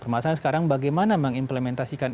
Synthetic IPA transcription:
pərmasaansə̥kaɾaŋbaɡajmanaməŋimplemɛnt̪asikan

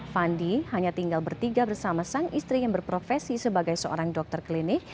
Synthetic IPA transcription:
fandihaɲat̪iŋɡalbərt̪iɡabərsamasaŋist̪ɾijaŋbərpɾofɛsisəbaɡajsəʔo̰ɾaŋdɔk̚t̪ərklinɪk̚

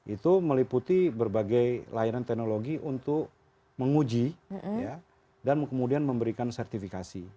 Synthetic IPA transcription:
ʔit̪uməliput̪ibərbaɡajlaiɾant̪ɛnoloɡiʔunt̪ʊk̚ | məŋud͡ʒija | dankəmudianməmbəɾikansɛrt̪ifikasi

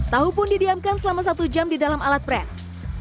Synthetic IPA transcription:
t̪aɦupʊndidiamkansəlamas̬at̪ud͡ʒamdidalamalat̪̚pɾɛs

